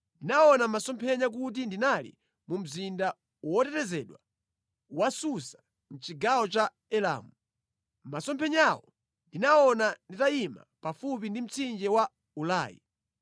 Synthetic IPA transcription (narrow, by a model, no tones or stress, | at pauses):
ndinaɔnamasɔmpʰɛɲak̬ut̬indinalḭ | mum̩zinda | wɔtɛtɛzɛɗwa | wasusḁ | m̩t͡ʃiɡawɔt͡ʃa | ɛla̰ːmu | masɔmpʰɛɲawɔ | ndinaɔnanditaima̰pafupindim̩t͡sʰind͡ʒɛwa | ulaːjḭ